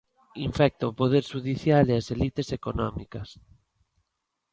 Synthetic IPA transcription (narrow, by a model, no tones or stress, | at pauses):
iɱfɛk̚t̪opoð̞eɾʃuðiθjaleaselit̪esekonɔmikɐs